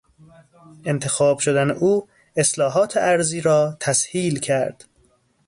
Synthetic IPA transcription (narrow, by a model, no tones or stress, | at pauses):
ʔe̞nt̪ʰe̞xɒːbʃod̪ænḛʔuː | eslɒːɦɒːt̪ʰeʔæɾziːɾɒːt̪ʰæshiːlcʰæɾd̪̥